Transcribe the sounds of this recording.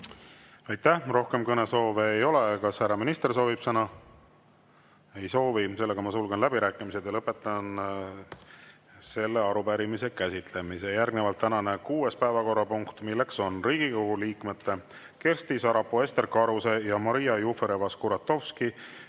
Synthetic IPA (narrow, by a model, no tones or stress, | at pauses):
ɑjt̪ːæhro̞hke̞mkɤne̞so̞ːve̞ːjo̞le̞kɑshæɾɑminist̪e̞rso̞ːvib̥sɤnɑ | e̞jso̞ːvise̞lːe̞ɡ̥ɑmɑsulɡ̥enlæb̥iɾæːkːˑimised̪̥jɑlɤpːˑe̞t̪ːˑɑn | se̞lːe̞ɑɾupæɾimise̞kæsʲit̪le̞misejærɡnevɑlt̪ːænɑne̞kuːe̞spæevɑko̞rːɑpuŋkt̪milːe̞kso̞nriːɡ̥ikoɡuliːkmet̪ːe̞ | ke̞rst̪isɑɾɑpːoe̞st̪e̞rkɑɾuse̞jɑmɑɾijɑjufeɾevɑskuɾɑt̪ːˑo̞fski